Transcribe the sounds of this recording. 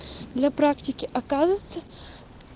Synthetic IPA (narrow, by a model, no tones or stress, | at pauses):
d̪lʲɐpɾaktʲɪkʲɪʔɐkazət̪sə